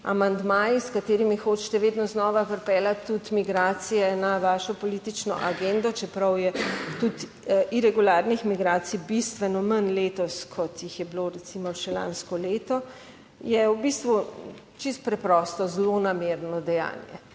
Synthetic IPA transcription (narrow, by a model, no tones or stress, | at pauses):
a̰mand̪maːjiskat̪eːɾimixot͡ʃt̪ɛʋeːd̪nɔznɔʋapəɾpɛːlat̪ːut̪miɡɾaːt̪sijɛnaʋaːʃɔpɔlit̪it͡ʃnɔ̰ʔaɡend̪ɔt͡ʃɛpɾɐwjɛt̪ut̪ | iɾɛɡulaːɾnixmiɡɾaːt̪sibist̪ʋɛnɔmənleːt̪ɔskʰɔt̪jixjɛbloɾɛsimɔʃɛla̰ːnskɔleːt̪ɔ | jɛwbist̪ʋu | t͡ʃist̪̚pɾɛpɾɔst̪ɔzlonameːɾnɔd̪ɛja̰ːnjɛ̰